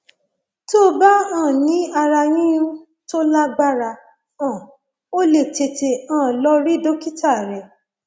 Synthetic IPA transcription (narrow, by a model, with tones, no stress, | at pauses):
to˦ba˦ãː˦˨nĩ˨˦a˧ɾa˧jĩ˦ũ˦ | to˦la˦ɡ͡ba˦ɾa˧ | ã˨ | o˦le˦˨te˨te˨ãː˦˨lɔ˧˦ɾi˦do˦ki˦ta˦˨ɾɛ˨